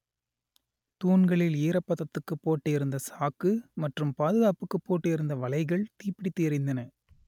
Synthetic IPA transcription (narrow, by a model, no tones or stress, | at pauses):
t̪uːnɡɐɭɪleːɾɐpːɐðɐt̪ːɯkːɯpːoːʈːɯɪɾɯnd̪ɐsaːkːɯmɐʈrɯmpaːðɯɣaːpɯkːɯpːoːʈːɯɪɾɯnd̪ɐʋɐɭɐɪɣɐɭt̪iːpɪɽit̪ːeɾɪnd̪ɐnɐ